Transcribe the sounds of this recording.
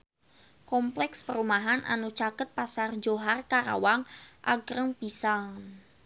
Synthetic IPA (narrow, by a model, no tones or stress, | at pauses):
kɔmplɛkspəɾumaɦanʔa̰nut͡ʃakət̪̚pasard͡ʒoɦarkaɾa̰waŋʔa̰ɡɾəŋpisaŋ